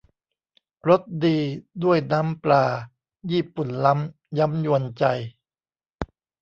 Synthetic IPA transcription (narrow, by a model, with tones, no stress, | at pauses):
ɾo˦˥t̪̚diː˧du˥˩əjna˦˥mplaː˧ | jiː˥˩pu˨˩nla˦˥m | ja˦˥mju˧ənt͡ɕa˧j